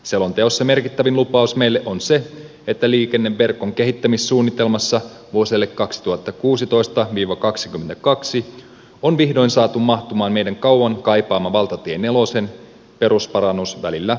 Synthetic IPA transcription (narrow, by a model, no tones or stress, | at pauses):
selo̞nt̪e̞o̞sseme̞rkit̪ːæʋinlupɑusme̞jlːeʔonse̞ | et̪ːæliːk̟e̞nːe̞ʋːe̞rko̞ŋke̞ɦit̪ːæmisːuːnːit̪e̞lmɑsːɑ | ʋuo̞selːekːɑksit̪uhɑt̪ːɑkuːsit̪o̞jst̪ɑʋiːʋɑkɑksik̟ymːent̪ækɑksi | onʋihdo̞jnsɑːt̪ummɑht̪umɑːnmejdæŋkɑwwɑŋkɑjpɑːmːɑʋɑlt̪ɑt̪iene̞lo̞se̞n | pe̞ɾuspɑɾɑnːusʋælilːæ